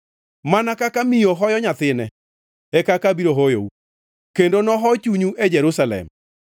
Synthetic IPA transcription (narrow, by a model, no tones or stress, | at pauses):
manakakamijoɦɔjɔɲat̪ɪnɛ | ɛkakabiɾoɦojo̰u | kendonɔɦɔt͡ʃuɲuʔed͡ʒɛɾusalɛ̰m